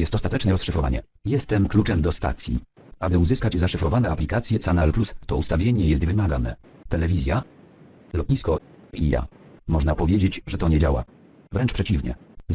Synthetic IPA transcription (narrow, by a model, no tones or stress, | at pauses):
jɛst̪ɔst̪at̪ɛt͡ʂnɛɾɔsʂɘfɾɔva̰ɲɛ̰ | jɛst̪ɛmklut͡ʂɛmd̪ɔst̪a̰t̪sʲjḭ | abɘuzɘskad͡ʑzaʂɘfɾɔvanɛaplʲikat̪sʲjɛt̪sanalplust̪ɔust̪avʲjeɲɛjɛst̪vɘmaɡanɛ | t̪ɛlɛvʲizʲja | lɔt̪ɲiskɔ | ḭja̰mɔʐnapɔvʲjed͡ʑed͡ʑʐɛt̪ɔɲɛd͡ʑawa̰ | vɾɛnt͡ʂpʂɛt͡ɕivɲɛ̰